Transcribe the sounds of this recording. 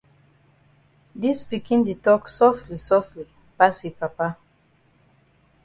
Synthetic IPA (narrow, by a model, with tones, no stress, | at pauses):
di˦spikĩ˦ndi˨tɔksɔflisɔftli˨ | pa˦si˨pa˨pa˦